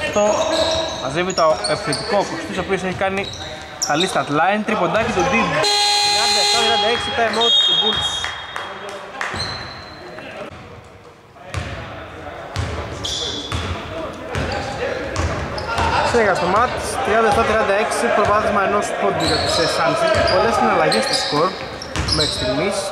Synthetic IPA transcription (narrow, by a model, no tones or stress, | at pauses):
ft̪o̞mɐzevit̪oepiθet̪ikokost̪isopios̬eçikɐni | t̪ɐlist̪ɐt̪lɐint̪ɾipod̪ɐcit̪od̪idt̪ɾiɐnd̪ɐeft̪ɐt̪ɾiɐnd̪ɐeksit̪ɐemosibuls | sineɣɐst̪omɐt̪i̥st̪ɾiɐnd̪ɐeft̪ɐt̪ɾiɐnd̪ɐe̞ksipɾovɐθizmɐeno̞spod̪iɾot̪isesɐlsipo̞le̞sinɐlɐʝe̞st̪oskoɾt̪ | mekst̪inis